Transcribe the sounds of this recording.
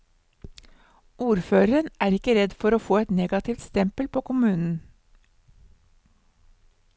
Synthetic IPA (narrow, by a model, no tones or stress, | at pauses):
uːɾføːɾəɾənæːɾɪkəɾɛd̪fɔɾoːfoːɛt̪neːɡɑt̪ʰɪft̪st̪ɛmpəlpʰoːkʊmʉːnn̩